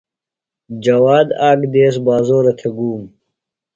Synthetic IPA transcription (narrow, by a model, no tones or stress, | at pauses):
d͡ʑɐwaːd̪aːɡd̪eːsbaːzoːɾɐt̪ʰeɡuːm